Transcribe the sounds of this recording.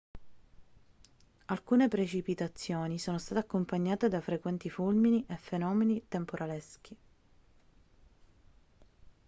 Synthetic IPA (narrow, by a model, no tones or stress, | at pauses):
alkuːnepɾet͡ʃipit̪at̪sːjoːnisoːnost̪aːt̪eakːompaɲːaːt̪ed̪afɾekwɛnt̪ifulminiʔefenɔːmenit̪empoɾʔalesk̟i